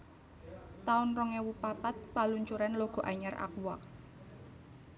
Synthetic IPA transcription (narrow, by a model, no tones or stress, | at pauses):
t̪aʊnrɔŋewupapat̪̚paluɲt͡ʃuɾanloɡ̥ɔ̤ʔaɲara̰kuwa